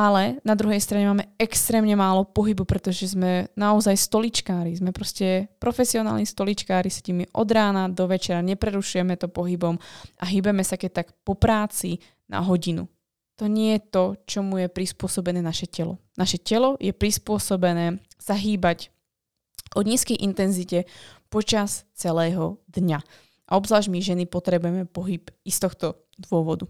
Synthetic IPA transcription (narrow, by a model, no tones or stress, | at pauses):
alɛnad̪ɾuɦɛjst̪ɾaɲɛmaːmɛɛkst̪ɾɛːmɲɛmaːlɔpɔɦibupɾɛt̪ɔʒɛzmɛnaɔzajst̪ɔlit͡ʃkaːɾizmɛpɾɔscɛpɾɔfɛsiɔna̰ːlnist̪ɔlit͡ʃkaːɾisɛ̥cimiʔɔ̰d̪ɾaːnad̪ɔʋɛt͡ʃɛɾaɲɛpɾɛɾuʃujɛmɛt̪ɔpɔɦibɔmʔaɦiːbɛmɛsakɛc̚t̪akpɔpɾaːt͡si | na̰ɦɔɟinṵ | t̪ɔɲɪɛjɛt̪ɔt͡ʃɔmujɛpɾispʊɔsɔbɛnɛːnaʃɛcɛlɔ̰naʃɛcɛlɔjɛpɾispʊɔsɔbɛnɛː | saɦiːbac | ʔɔɲiːskɛjʔint̪ɛnzicɛpɔt͡ʃast͡sɛlɛːɦɔd̪ɲa | ʔaɔbzʋaːʒmiʒɛnipɔt̪ɾɛbujɛmɛpɔɦipist̪ɔxt̪ɔ | d̪ʋʊɔʋɔd̪u